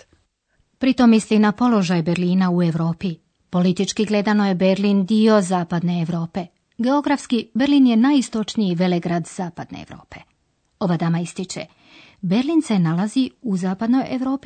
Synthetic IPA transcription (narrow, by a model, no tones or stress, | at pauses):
pɾit̪o̞mislinapo̞lo̞ʒajbeɾliːnaue̞ʋɾo̞ːpi | po̞lit̪it͡ʃkiɡle̞d̪ano̞je̞be̞ɾlind̪io̞zaːpad̪ne̞ːʋɾo̞ːpe̞ | ɡe̞o̞ɡɾafskibeɾliːnje̞najist̪o̞t͡ʃniiʋe̞leɡɾad̪zaːpad̪nḛːʋɾo̞̰ːpe̞ | o̞ʋad̪amaist̪it͡ʃḛ | be̞ɾliːnse̞nalaziuzaːpad̪no̞jeʋɾo̞ːpi